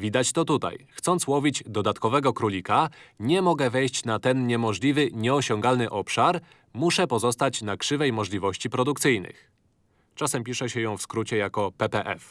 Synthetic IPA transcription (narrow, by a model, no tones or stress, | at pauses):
vʲid̪at͡ɕt̪ɔt̪ut̪a̰jxt̪sɔnt̪swɔvʲid͡ʑd̪ɔd̪at̪kɔvɛɡɔkɾulʲikaɲɛmɔɡɛvɛjɕt͡ɕnat̪ɛnɲɛmɔʐlʲivɘɲɛɔɕɔŋɡalnɘʔɔpʂaɾ | muʂɛpɔzɔst̪at͡ɕnakʂɘvɛjmɔʐlʲivɔɕt͡ɕipɾɔd̪ukt̪sɘjnɘ̰x | t͡ʂasɛmpʲiʂɛɕɛjɔ̃w̃fskɾut͡ɕɛjakɔpɛpɛʔɛ̰f